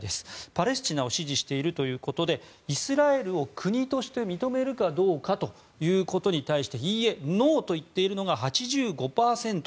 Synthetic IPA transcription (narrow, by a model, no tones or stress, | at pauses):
d̪e̞sɨ̥paɾe̞s̬ɨ̥t͡ɕinao̞ɕiʑiɕi̥t̪e̞iɾɯ̟t̪o̞jɯ̟ːko̞t̪o̞d̪e̞ | isɨɾae̞ɾɯ̟o̞kʰɯ̟ɲ̟it̪o̞ɕi̥t̪e̞mʲit̪o̞me̞ɾɯ̟kad̪o̞ːkat̪o̞ | jɯ̟ːko̞t̪o̞ɲ̟it̪aiɕi̥t̪e̞çiːe̞no̞ːt̪o̞it̪ːe̞iɾɯ̟no̞ɡaɦat͡ɕiʑɨːɡo̞paːsẽ̞nt̪o